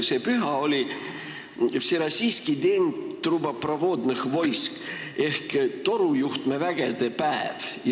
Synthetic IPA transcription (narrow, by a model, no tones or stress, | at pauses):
sepyɦɑo̞lʲi | seɾɑsiːskid̪ent̪ːrubɑprɑvoːd̪nexvo̞jsk | e̞hkt̪o̞ɾujuht̪mevæɡ̥ed̪̥e̞pæḛvj